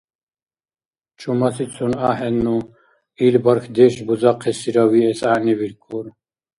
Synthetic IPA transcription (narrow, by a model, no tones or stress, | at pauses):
t͡ʃʰumɑsit͡sʰunaːɦɛnːu | ilbɐɾkʰd̪eʃbuzɑqʰːɛsiɾawiɛsaniviɾkʰuɾ